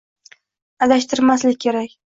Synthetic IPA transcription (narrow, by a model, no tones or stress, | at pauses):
ad̪aʃt̪ʰɪɾmaslɪk̚ʲkʲʰeɾakʲ